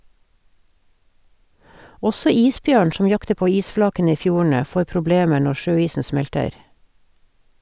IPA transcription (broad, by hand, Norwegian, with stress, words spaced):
ˈɔsɔ ˈiːsˌbjøːɳ ˈʃɔm ˈjɑktə ˈpoː ˈiːsˌflɑːkənə ˈiː ˈfjuːɳ̩ə ˈfoːɾ pɾʊˈbleːmə ˈɳɔ ˈʃøːˌiːsn̩ ˈsmɛltəɾ